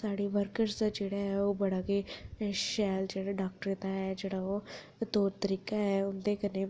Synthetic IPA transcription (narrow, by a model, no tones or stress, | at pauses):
saːɽiːʋəɾkəɾsd̪aːd͡ʒeːɽaɦɛːoːbəɽaɡeʃɛːld͡ʒeːɽaːɖaːk̚ʈəɾet̪aːɦɛːd͡ʒeːɽaːoː | t̪oːɾt̪əɾiːkaɦɛːʊnd̪eːkəneː